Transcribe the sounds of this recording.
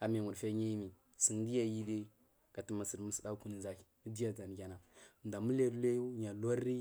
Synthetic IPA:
a˨mi˨mu˨ɾfe˦ɲi˦ji˦mi˨ | si˨n˦di˦ja˦ji˦de˦ | ka˨ti˦ma˨si˨dmu˨˦si˨da˦ku˦n˨za˦kdi˦ja˦˨d͡za˨n˨ɡʲa˨na˨nda˨mu˦le˦ɾle˦ju˦ɲa˨la˦ɾːi˦

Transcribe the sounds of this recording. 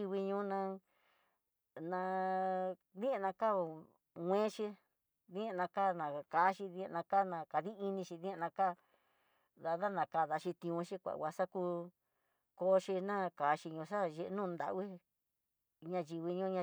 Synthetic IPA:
i˧βi˧ɲũ˧˦nã˧ | nã˧ | ðĩ˦˧nã˧ka˦˨ | ŋʷẽ˦ʃi˧ | ðĩ˦˧nã˧ka˦˨nã˨kaː˨˦ʃi˧ðĩ˧nã˧ka˦nã˧ka˨ði˦i˧nĩ˧ʃi˧ðĩ˦˧nã˧ka˦˨ | ða˧ða˦nã˧ka˧ða˧ʃi˧t̪ĩ˧ũ˧ʃi˦kʷa̰˨wʷa˧sa˦ku˧ | ko˧˦ʃi˧nã˦ka˨˦ʃi˧ɲũ˧s̬a˦ʒe˧ʔnũː˦˨˧nd̪a̰˧ʔwi˦ | ɲã˧ji˧βi˧ɲũ˦ɲã˧

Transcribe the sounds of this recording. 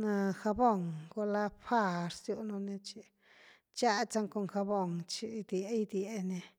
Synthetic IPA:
nã˧xa˧bo˦˨ŋko˧la˦ɸa˦˧ɾsju˧nõ˧nẽ˧t͡ʃi˧ | t͡ʃa˦˧t͡sa˧ŋko˧ŋxa˧βo˧˨ŋt͡ʃi˧d̪je˧˦i˧d̪je˧nẽ˧

